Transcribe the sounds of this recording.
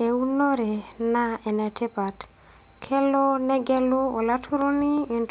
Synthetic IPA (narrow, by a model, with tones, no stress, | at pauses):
e˨u˦no˦ɾɛ˨na˦ɛ˨nɛ˨tʰe˦pa˨t | kʰɛ˦lɔ˦nɛ˦ɡɛ˦lu˦o˨la˦tʰu˦ɾo˦ni˦i˨nt